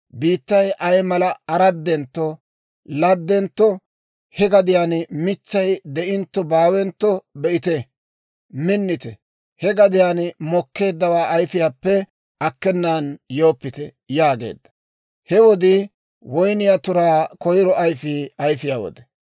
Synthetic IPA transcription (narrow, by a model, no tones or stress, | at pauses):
biːt̪ːɐjʔɐjmɐlɐɐɾɐd̪ːɛnt̪ːɔ | lɐd̪ːɛnt̪ːɔ | hɛɡɐd̪ɪjaːnmɪt͡ʃːɐjd̪ɛʔɪnt̪ːɔbaːwɛnt̪ːɔbɛʔɪt̪ɛ | mɪnːɪt̪ɛ | hɛɡɐd̪ɪjaːnmɔkːe̞ːd̪ːɐwaːʔɐjfɪjaːpːɛ | ʔɐkːɛnːaːnjo̞ːpːɪt̪ɛ | jaːɡe̞̰ːd̪ːɐ̥ | hɛwɔd̪ɪ | wɔjnɪjat̪ʊɾaːkɔjɾɔʔɐjfɪɐjfɪjaːwɔ̰d̪ɛ̥